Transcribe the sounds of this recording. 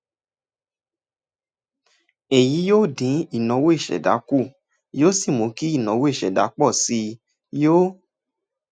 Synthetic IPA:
e˨ji˨˦joː˦˨dĩ˨˦i˦˨nɔ̃˨˦wo˦i˦˨ʃɛ̰˨da̰˨˦ku˦˨ | joː˦si˦˨mõ˨˦ki˦i˦˨nã˨˦wo˦i˦˨ʃɛ̰˨da̰˨˦k͡pɔ˦˨si˧˦ | jo˦

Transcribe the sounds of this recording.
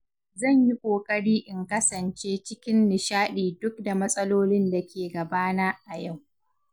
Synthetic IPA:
zɐ˦˨ɲji˦kʷʼoː˨kʼɐ˦ɽiː˦ʔɪ˨ŋkɐ˦sɐ˨nt͡ʃeː˦t͡ʃɪ˦kʲɪ˦nːɪ˨ʃaː˦ɗiː˨dʊ˦k̚da˨mɐ˦sʼɐ˦loː˦lɪ˦nda˨kʲeː˨ɡɐ˨baː˦na˦ʔa˨ja˦˨w

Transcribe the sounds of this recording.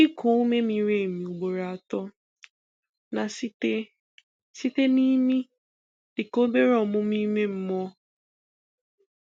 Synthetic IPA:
i˦kʰʊ˨˦me˦mi˨ɾe˦˨mi˨u˨ɡ͡bo˨ɾa˨tɔ˦ | na˨ste˦ | si˦te˦ni˦mi˦ | d̥ɪ˨ko˦be˦ɾɔ˨mʊ˦mi˦me˦m̩˦mɔ˦

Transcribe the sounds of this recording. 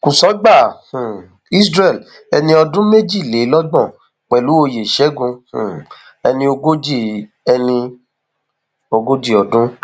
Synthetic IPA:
kũ˨sɔ˨˦ɡ͡ba˦˨hũ˨ | i˦sɾɛ˦˨l | ɛ˧nĩ˧ɔ˧dũ˦me˦d͡ʒi˦˨le˨˦lɔ˦ɡ͡bɔ̃˦˨ | k͡pɛ˨lu˨˦o˧je˨ʃɛ˨˦ɡũ˧hṵ̃˨ | ɛ˧nĩ˧o˧ɡo˦d͡ʒi˦˨ | ɛ˧nĩ˧ | o˧ɡo˦d͡ʒi˦ɔ˨dũ˦

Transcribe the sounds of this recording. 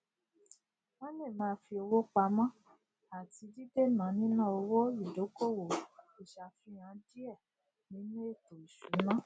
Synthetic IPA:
mã˦ne˦˨mãː˧˦fi˧o˧wo˦k͡pa˧˦mã˦ | a˨ti˧di˦de˦˨nã˨˦nĩ˦nã˦˨o˧wo˦i˦˨do˨˦ko˦˨wo˨ | i˨ʃa˨fi˧˦ɾ̃ã˨˦di˦ɛ˦˨ | nĩ˨˦nũ˦e˦˨to˨i˨ʃu˨˦mã˦

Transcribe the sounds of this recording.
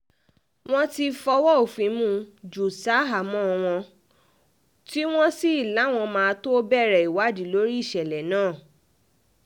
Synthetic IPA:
w̃ɔ̃˦ti˧fɔ˧wɔ˦o˨fĩ˨˦mũ˦d͡ʒu˨sa˦ɦa˨mɔ̃˦˧w̃ɔ̃˧ | ti˦w̃ɔ̃˦si˦i˦˨la˨˦˨w̃ɔ̃˧mãː˧to˦bɛ˦˨ɾɛ˨i˨wa˨˦di˨˦lo˦ɾi˦i˦˨ʃɛ˨lɛ˨nãː˦˨

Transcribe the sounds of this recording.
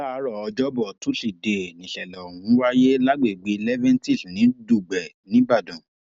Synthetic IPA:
la˦˨˦ɾɔ˦˨ɔ˧d͡ʒɔ˦bɔ˨tũ˦ʃi˨de˨nĩ˨ʃɛ˨lɔ˨hũ˨˦wa˦je˦la˦ɡ͡be˨ɡ͡be˨˦˧lɛ˦vɛ̃˦n˦ti˦˨sũ˨nĩ˨˦du˦˨ɡ͡bɛ˨ | nĩ˨˦ba˦˨dɔ̃˨

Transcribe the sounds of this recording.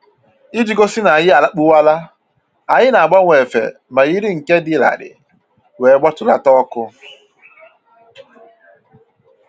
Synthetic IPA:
i˦d͡ʒi˨˦ɡo˦sɪ˦na˨a˨jɪ˦a˨la˦k͡pu˦wa˦la˦ | a˨ɲɪ˦na˨a˨ɡ͡ba˦ŋʷe˨fḛ˨ | ma˨ji˦ɾi˦ŋ̩˨ke˦dɪ˦la̰˨ɾɪ̰˨ | wʷe˨˦ɡ͡ba˦tʊ˦la̰˨tɔ˦kʊ˦

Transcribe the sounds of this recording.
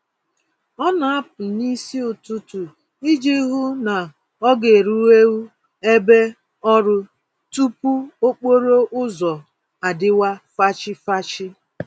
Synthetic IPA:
ɔ˦na˨a˦pʊ˨ni˦si˦ʊ˨tu˦tu˨ | i˦d͡ʒi˦ɦu˦na˨ | ɔ˦ɡe˨ɾu˦e˦wu˦ | e˦be˦ | ɔ˦ɾʊ˦ | tu˦pu˦o˦k͡po˦ɾo˦ʔʊ˦zɔ˨ | a˨dɪ˦wa˦fa˦t͡ʃɪ˦fa˦t͡ʃɪ˦

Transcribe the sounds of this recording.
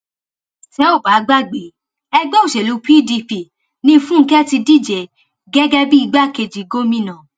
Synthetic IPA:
ʃɛ˨˦o˦˨ba˨˦ɡ͡ba˦ɡ͡be˨˦ | ɛ˧ɡ͡bo˦o˨ʃe˨lu˨˦pi˦di˧pi˧˨ | nĩ˦˧fũ˦ŋ̩˦kɛ˦ti˧di˦˨d͡ʒe˨ | ɡɛ˦ɡɛ˦bi˦i˧ɡ͡ba˦˨ke˧d͡ʒi˨ɡo˦mĩ˦nã˨

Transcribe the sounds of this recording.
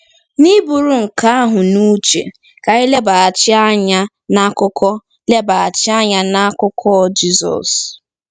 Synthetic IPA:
ni˦bu˨ɾu˨ŋ̩˨ka˦a˦ɦʊ˨nu˦t͡ʃḛ˨ | ka˨i˦le˦ba˨a˨t͡ʃɪ˦a˦ɲa˦ | na˦kʊ˦kʰɔ˦ | le˦ba˨a˨t͡ʃɪ˦a˦ɲa˦na˦kʊ˦kʰɔ˦d͡ʒi˦zɔ̰˨s

